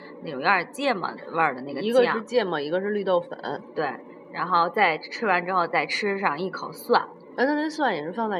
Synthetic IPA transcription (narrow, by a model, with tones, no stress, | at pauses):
na˥˩ʈ͡ʂʊ˨˩ŋja˥˧˩t͡ɕjɛ˥˩mə̰˧˩əə˞˥˧˩d̪ə˩na˥˩ɡə˨i˧˥ɡə˧˥ɻ̩˥˧t͡ɕjɛ˥˩mə˨˩i˧˥ɡə˧ʂɻ̩˥˧ly˥˧t̪o˥˩ʊfə̰˧˥˦nt̪we˥˩ɪ | ɻa˧˥nxo˥˧ʊt͡sa˥˩ɪʈ͡ʂʰɻ̩˥wa˧˥nʈ͡ʂɻ̩˥xo˥˧ʊt͡sa˥˩ɪʈ͡ʂʰɻ̩˥ʂɑ˥˧ŋi˥˩kʰo˨˩ʊswa˥˩n˥˧na˥˧ne˥˩˥s̬wa˥˩njɛ˨˩ʂɻ̩˥˧fɑ˥˧ŋt͡sa˥˩